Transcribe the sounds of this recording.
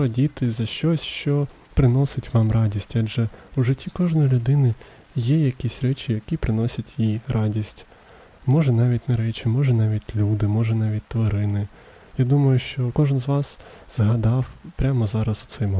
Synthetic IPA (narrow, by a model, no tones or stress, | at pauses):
ɐdʲit̪ɪzɐʃt͡ʃɔsʲʃt͡ʃɔ | pɾɪnɔsɪtʲʋɑmrɑdʲisʲtʲɑd͡ʒɛuʒɪtʲːikɔʒnɔjilʲʊd̪ɪnɪ | jɛjɐkʲisʲɾɛt͡ʃɪjɐkʲipɾɪnɔsʲɐtʲjiɾʔɑdʲisʲtʲ | mɔʒɛnɑʋʲitʲnɐɾɛt͡ʃɪmɔʒɛnɑʋʲitʲlʲud̪ɪmɔʒɛnɑʋʲit̚ʲt̪ʋɔɾɪnɪ | jad̪umɐjʊʃt͡ʃɔkɔʒɪnzʋɑs | z̥ɦɐd̪ɑwpɾʲamɔzɑɾɐsʊ̥sɪm